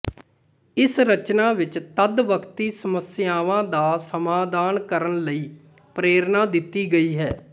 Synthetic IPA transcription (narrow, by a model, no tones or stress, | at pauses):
ɪsɾət͡ʃnaːʋɪt͡ʃt̪əd̪ʋəkʰt̪iːsəməsɪjaːʋãːd̪aːsəmaːd̪aːnkəɾənləiː | pɾeːɾnaːd̪ɪt̪ːiːɡəiːɦɛː